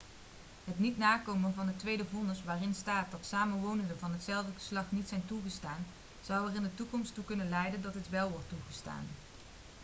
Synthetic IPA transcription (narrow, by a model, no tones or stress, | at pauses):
ɦətnitnaːkowmənvɑndətʋejdəvɔnəsʋaːrɪnstaːt̚dɑtsaːmənʋownəndəvɑnɦətsɛlˠvdəɣə̥slɑχnitsɛjntuɣəstaːn | z̥ɑwɛrɪndətukɔmstukɵnənlɛjdəndɑtɦətʋɛlˠʋɔɹtːuχəsta̰ːn